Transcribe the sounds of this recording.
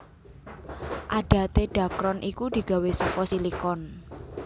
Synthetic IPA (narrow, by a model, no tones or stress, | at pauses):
ʔaɖ̥a̤t̪eɖ̥a̤kɾɔnʔikud̪̥i̤ɡ̥a̤wesɔkɔsilikɔn